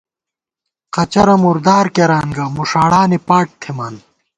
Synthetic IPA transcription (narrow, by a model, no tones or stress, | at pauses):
qɐt͡ɕɐɾɐmuɾd̪aːɾkeɾaːnɡɐmuʂaːɽaːnipaːʈ̚t̪ʰemaːn